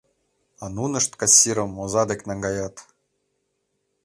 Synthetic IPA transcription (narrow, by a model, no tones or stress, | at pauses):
ɑnunɤ̆ʃt̪kɑsʲːiɾɤ̆mozɑd̪ekʲnɑŋɡɑjɑt̪